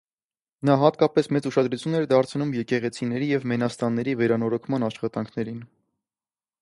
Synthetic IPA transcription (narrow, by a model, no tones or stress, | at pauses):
nɑɦɑt̪kɑpɛsmɛt͡suʃɑd̪ɾut͡sʰjunːɛɾd̪ɑɾt͡sʰnumjɛkɛʁɛt͡sʰinɛɾijɛvmɛnɑst̪ɑnːɛɾivɛɾɑnɔɾɔkʰmɑnɑʃχɑt̪ɑŋkʰnɛɾin